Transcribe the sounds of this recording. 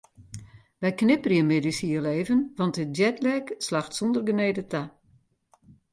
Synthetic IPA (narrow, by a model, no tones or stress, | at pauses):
ʋɛjknɪpəriəmedisiəleːvənʋɑntət̚djɛtlɛkslaxtsɔndərɡəneːdətʰa